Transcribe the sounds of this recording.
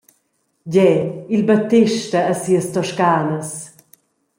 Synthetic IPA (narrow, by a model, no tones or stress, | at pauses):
ɟɛilbət̪ːɪʃtəːsiːəst̪ɔʃkaːnəs